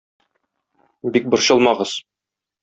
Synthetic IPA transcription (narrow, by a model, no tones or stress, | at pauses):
bik̚bŏɾɕɤ̆lˠmɑʁɤz̥